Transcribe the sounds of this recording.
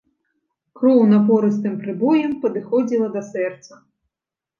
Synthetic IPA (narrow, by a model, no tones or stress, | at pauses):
kɾɔwnɐpɔɾɨst̪ɨmpɾɨbɔjɛmpɐd̪ɨxɔd͡zʲilˠɐd̪ɐsɛrt̪sɐ